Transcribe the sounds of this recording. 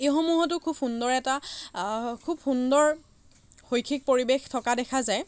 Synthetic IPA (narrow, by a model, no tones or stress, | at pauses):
exomuɦɔtʊkʰub̚xundɔɹɛta | kʰub̚xundɔɹ | xojkʰik̚poɹibextʰɔkadɛkʰazaj